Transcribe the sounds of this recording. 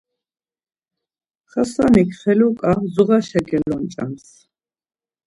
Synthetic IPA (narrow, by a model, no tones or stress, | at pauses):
χasanikʰχɛlukʼazuʁaʃɛɡɛlɔnt͡ʃʼa̰ms